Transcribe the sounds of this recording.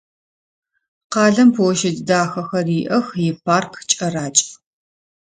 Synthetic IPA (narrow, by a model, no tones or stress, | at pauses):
qɑːɮɐmpʰwɔʃɪddaːxɐxɐriːʔɐxjɪpʰaːrkʰt͡ʃʼɐɾaːt͡ʃʼ